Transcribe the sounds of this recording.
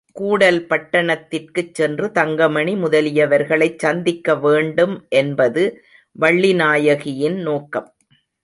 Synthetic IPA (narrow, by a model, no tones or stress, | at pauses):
kuːɽɐlpɐʈːɐɳɐt̪ːɪrkɯt͡ʃːɛndrɯt̪ɐŋɡɐmɐɳimʊðɐlɪjɐʋɐɾɣɐɭɐɪt͡ʃɐnd̪ɪkːɐʋeːɳɖɯmʔɛnbɐðɯ | ʋɐɭːinaːjɐɣɪjɪnnoːkɐm